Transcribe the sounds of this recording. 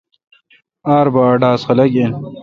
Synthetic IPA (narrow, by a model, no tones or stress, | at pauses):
aːɾbaːɖaːsxɐlɐken